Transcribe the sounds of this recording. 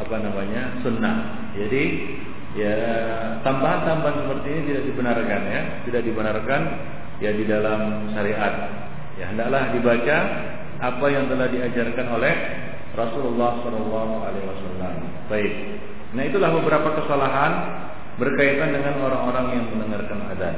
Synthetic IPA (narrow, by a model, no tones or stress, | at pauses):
apanamaɲa | sunːah | d͡ʒadi | ja | t̪ambaɦant̪ambaɦansəpərt̪iːnit̪idaʔ̚dibənarkanja | t̪idaʔ̚dibənarkan | jadidalam | ʃaɾiʔat̪̚ | jaɦəndaklahdibat͡ʃa | ʔapajaŋt̪əlahdiad͡ʒarkanolɛh | rɔsululːɑhsɔlɑlːɑɦualeuwasalːam | b̥aɪk̚ | naɦit̪ulahbəbəɾapakəsalaɦan | bərkait̪andəŋanoɾaŋoɾaŋjaŋmənəŋarkana̰dat̪̚